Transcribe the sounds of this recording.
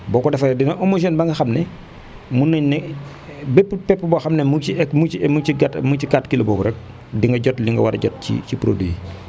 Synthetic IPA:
bɔːkɔdɛfɐjɛdinɐʔomoʃ̬ɔnbaŋɡɐxɐmnɛ | munːəɲnɛ | bɛpːpɛpːbɔxɐmnɛmuciɛkːmuimut͡ʃiɡatmut͡ʃikatkilobɔːbuɾɛk̚ | diŋɡɐɟɔtliŋɡɐ̰wa̰ɾɐ̰ɟɔt̚cḭcipɾodi

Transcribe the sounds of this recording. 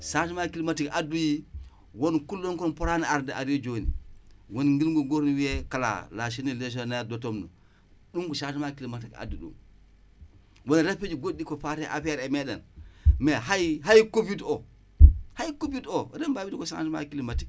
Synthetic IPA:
saʃimakilimatikaduji | wonkulːoŋkuɾompoɾaniaɾndea̰ɾiod͡ʒonḭwonŋɡilɡuŋɡoɾniwiekala̰laʃ̬inileʃ̬onedotomnṵ | ɗuŋkuʃaʃimakilimatika̰duɗṵm | wonɾaped͡ʒiɡodikofateʔa̰fɾemeɗa̰nmeɦajɦajkopito | hajkobitoɾembabitikosa̰ʃima̰kilimatik̚

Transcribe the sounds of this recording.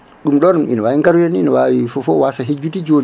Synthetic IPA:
ɗumɗɔɾmʔḭnɔwawiŋɡaɾujɛninɔwawifɔfɔwasaɦed͡ʒːutid͡ʒon

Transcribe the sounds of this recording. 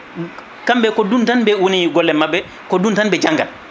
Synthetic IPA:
kambɛkɔduntanbɛwoniɡɔlːɛmabːɛ | kɔduntanbɛd͡ʒaŋɡa̰l

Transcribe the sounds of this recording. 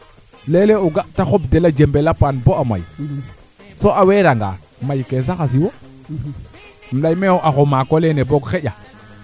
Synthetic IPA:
leleuɡaʔtaxob̚delad͡ʒembelapanboama̰j | soʔaweɾaŋɡa̰ | majkes̬axas̬iwo | m̩ɗajmeoʔaxomakoleneboɡxeɟa

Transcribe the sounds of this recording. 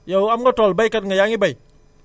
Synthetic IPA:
jawamɡɔtɔlbajkatŋəjaŋibəj

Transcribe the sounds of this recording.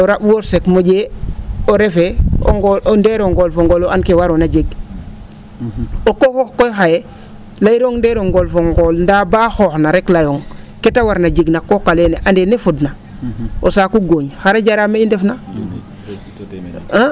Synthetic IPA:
oɾabwoɾsekmoɟeːoɾefeo̰ŋɡndeːɾoŋɡolfoŋɡoːloankewaɾonad͡ʒeɡ | okoxoxkojxaje | laiɾoŋndeːɾoŋɡolfoŋɡolndabaːxoxnaɾeklajoŋ | ketawaɾnaɟeɡnakokaleːneʔandenefudna | osaːkuɡoːɲxaɾaɟaɾameindefna

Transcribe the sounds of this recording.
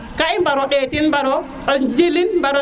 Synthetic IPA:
kajmbaɾɔɗetinmbaɾɔ | d͡ʒilinmbaɾɔ

